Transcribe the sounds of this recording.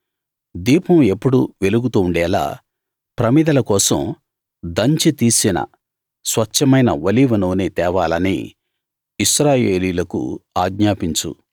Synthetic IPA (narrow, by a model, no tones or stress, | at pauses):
d̪iːpɐme̞pːuɽuʋe̞luɡut̪uːɳɖɛːla̰ː | pɾɐmid̪ɐlɐkɔːsɐ̰m | d̪ɐɲt͡ʃit̪iːsinɐ̰ | sʋɐt͡ʃːɐmɐjnɐʋɐliʋɐnoːneːt̪ɛːʋaːlɐnḭ | iʃɾaːjeːliːlɐkṵaːɡɲaːpiɲt͡ʃṵ